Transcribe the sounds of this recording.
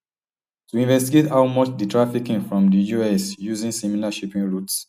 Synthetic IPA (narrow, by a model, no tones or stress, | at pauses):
tuĩnvɛstiɡethawmɔt͡ʃditʰɹafikĩŋfɹɔ̃mdijuɛsjuzĩŋsimilaʃipĩŋɹuts